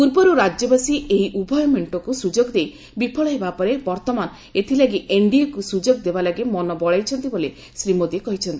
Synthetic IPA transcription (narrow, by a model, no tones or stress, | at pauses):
puɾpɔɾuɾad͡ʒjɔbasieɦiʔubʱɔjɔmeɳʈɔkusud͡ʒoɡd̪ej | bipʰɔɭɔɦebapɔɾebɔɾt̪ɔman | et̪ʰilaɡiʔeɳɖiekusud͡ʒoɡd̪ebalaɡimɔnɔbɔɭajt͡ʃʰɔnt̪ibole | sɾimod̪iekɔɦit͡ʃʰɔnt̪ii